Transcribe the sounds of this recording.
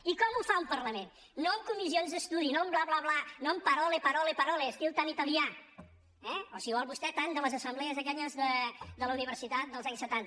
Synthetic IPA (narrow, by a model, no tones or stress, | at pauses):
ikɔmufaumpəɾləmenː | oəmkumizionzðəst̪uðinomblaβlaβlanoəmpəɾɔlepəɾɔlepəɾɔlest̪ilˠt̪anit̪əlˠia | ɛosiβɔlˠβust̪ɛt̪and̪ələzəsəmblɛəzəkɛʎəzðəd̪ələuniβ̞əɾsit̪at̪̚d̪əlˠzaɲsːət̪ant̪ə